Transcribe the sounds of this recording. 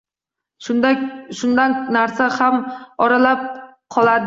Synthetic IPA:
ʃaʃʊnd̪annaɾsahamɒɾalap̚ | qʰɒlˠad̪ɪ

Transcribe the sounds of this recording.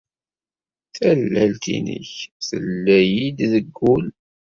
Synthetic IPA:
θælːælt̪ḭnə̰çθəlːæjid̪ðəɡːul

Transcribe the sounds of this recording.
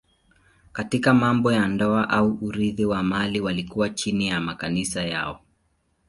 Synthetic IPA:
katikamambɔjandɔaʔauʔuɾiðiwamaliwalikuwat͡ʃinijamakanisaja̰ɔ

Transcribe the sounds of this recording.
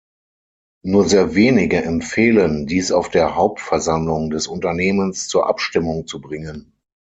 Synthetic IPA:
nuːɐzeːɐveːnɪɡəʔɛmfeːləndiːsaʊfd̥eːɐɦaʊp̚tfɛɐzamlʊŋdɛsʊntɐneːmənst͡suːɐʔa̰pʃtɪmʊŋt͡subʁɪŋən

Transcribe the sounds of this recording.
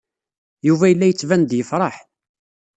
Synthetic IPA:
juvæjəlːæjət͡sːvænd̪jəfɾˤɑħ

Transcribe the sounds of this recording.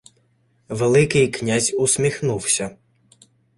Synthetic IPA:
ʋelˠɪkɪjknʲazʲʊsʲmʲixnuwsʲɐ

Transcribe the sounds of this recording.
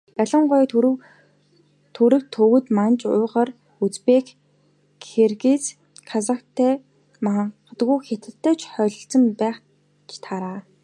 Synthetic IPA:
æɮə̆ɴɢʊjt̪ʰ | t̪ʰuɾɘ̆k̚t̪ʰɵwɘ̆t̪mant͡ɕʊːʁər | ut͡speːk | xerɣet͡s | kʰasakt̪ʰːæː | ma | t̪ɡujxet̪ɘ̆t̪ʰːœːt͡ɕχœɮɞ̆ɬt͡sə̆mpæːχ | t͡ɕt̪ʰaɾaː

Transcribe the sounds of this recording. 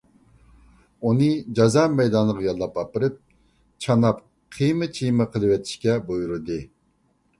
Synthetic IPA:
unɨd͡ʒɑzɑmɛjd̪ɑnlˠəʁɑjɑlˠːɑpɑpɨɾɨp̚ | t͡ʃʰɑnɑp | qʰijmɨt͡ʃʰijmɨqʰəlˠɨwɛt̪ʰi̥ʃkʲɛbojuɾɨd̪ɨ

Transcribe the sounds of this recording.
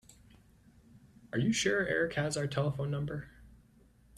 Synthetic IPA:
ə˞jɨʃɛɹɛ̰ɹɨkhɨzaʊə˞tʰɛlˠəfõʊ̃nːʌ̃mbə˞

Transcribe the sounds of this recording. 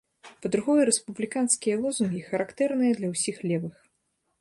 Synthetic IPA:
pɐd̪ɾuɣɔjɐɾɛspublʲikanskʲijɐlˠɔzunɡʲixɐɾakt̪ɛrnɨjɐd̪lʲɐwsʲixlʲɛvɨx

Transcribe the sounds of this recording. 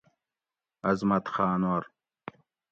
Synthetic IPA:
ɐzmɐt̪xaːnwɐɾ

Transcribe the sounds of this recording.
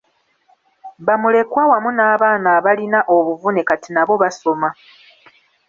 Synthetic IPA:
βamule̞kwawamunaːβaːnaːβalinaʔo̞βuvunekatinaβo̞βaso̞ma

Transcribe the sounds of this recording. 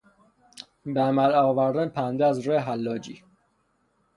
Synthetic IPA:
beæmælɒːvæɾd̪ænpʰænd̪ææzɾoeɦælːɒːd͡ʒḭː

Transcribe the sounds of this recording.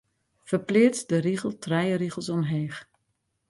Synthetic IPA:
fərplɪːtdəriɣəl̩ˠtrɛjəɾiɣəlˠsɔmɦeːx

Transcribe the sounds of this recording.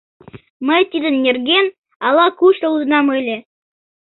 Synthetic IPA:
mət̪ʲid̪ə̆nːʲerɡʲen | ɑlˠɑkuɕt̪əuzə̆nɑmelʲe

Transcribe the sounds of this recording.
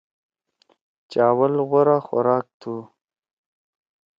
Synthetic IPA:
t͡ʃɑːwəlɣʊɾaxa̰ɾɑːk̚t̪ʰu

